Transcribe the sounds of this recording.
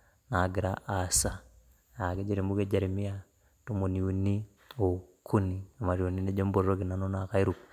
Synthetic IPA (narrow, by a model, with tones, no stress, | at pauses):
na˨ɡi˨ɾa˦ʔasa˦ | ja˨ke˦ɟa˨ɾi˨mu˦ɡe˦ɟa˨ɾi˨mi˦a | to˦mu˨ni˨u˨ni˦ | o˨kʰːu˦ni˨a˨ma˨ɾio˨ni˦ne˦ɟo˦mbo˨ɾɾo˦ki˨na˦no˦na˨ka˦i˦ɾuk